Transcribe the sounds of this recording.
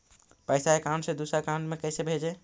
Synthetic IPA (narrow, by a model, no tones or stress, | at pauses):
pəɪsaekaɳɖsẽd̪usakãɳɖmekəjsebʱed͡ʒɛ